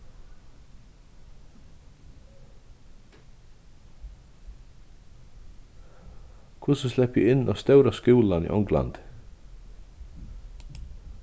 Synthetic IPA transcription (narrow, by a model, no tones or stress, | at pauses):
kʰʊsəslɛpjṵɪnːʔɔst̪œwɾaskuːlanḭːʔɔŋɡla̰nd̪̥